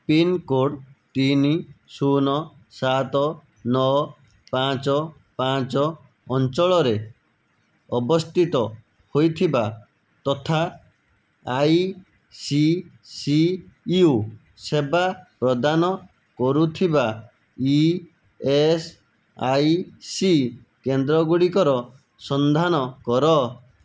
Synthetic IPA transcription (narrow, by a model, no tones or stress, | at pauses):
pinkoɖt̪inisunɔ | sat̪ɔ | nɔ | pãt͡ʃɔ | pãt͡ʃɔː | nt͡ʃɔɭɔɾe | ɔbɔst̪ʰit̪ɔ | hojt̪ʰiba | t̪ɔt̪ʰaː | j | si | siu | sebapɾɔd̪anɔ | kɔɾut̪ʰiba | i | es | ajsi | kend̪ɾɔɡuɽikɔɾɔ | sɔnd̪ʱanɔkɔɾɔ